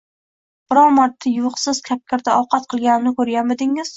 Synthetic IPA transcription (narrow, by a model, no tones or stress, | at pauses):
b̥ɪɾɒmaɾt̪ʰːajʊqsɪz̥kʲʰap̚kʲʰaɾd̪aɒwqʰɑt̪qʰɨlˠɡʲanɪmnɪkʰɵɾjʲamed̪ɪŋɪz̥